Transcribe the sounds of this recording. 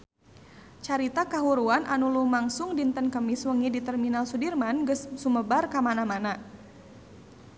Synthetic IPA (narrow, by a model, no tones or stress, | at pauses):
t͡ʃaɾit̪akaɦuɾuanʔanulumaŋsʊŋdint̪ənkəmɪswəŋidit̪ərminalsudirmanɡəssuməbarkamanamana